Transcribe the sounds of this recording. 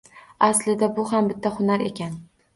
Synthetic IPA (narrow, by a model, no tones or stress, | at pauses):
aslɪd̪abʊhambɪt̪ʰːahʊnaɾe̞̰kʲan